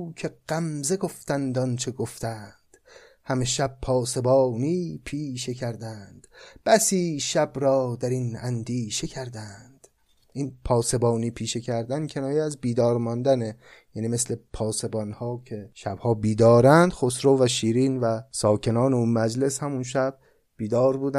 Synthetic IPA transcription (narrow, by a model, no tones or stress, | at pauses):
uːcʰe̞ɢ̥æmzeɡo̞ft̪ænd̪ɒnt͡ʃʰe̞ɡoft̪æːnd̪̥ | hæmeʃæb̥̚pʰɒːse̞bɒːniːpʰiːʃecʰæɾd̪ænd̪̥b̥æsiːʃæbɾɒːd̪æɾinæ̰nd̪iːʃe̞cʰæɾd̪ænd̪̥ | ʔinpʰɒːse̞bɒːniːpʰiːʃe̞cʰæɾd̪æncʰe̞nɒːjeæzbiːd̪ɒːɾmɒnd̪æne | jæːniːme̞sle̞pʰɒːse̞bɒnhɒːcʲʰe̞ʃæbhɒːbiːd̪ɒːɾænd̪̥xosɾoːvæʃiːɾiːnvæsɒːcʰe̞nɒːneunmæd͡ʒle̞shæmunʃæb̥̚ | b̥iːd̪ɒːɾbuːd̪æ